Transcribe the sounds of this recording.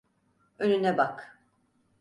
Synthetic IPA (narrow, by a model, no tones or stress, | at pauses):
ønynɛbak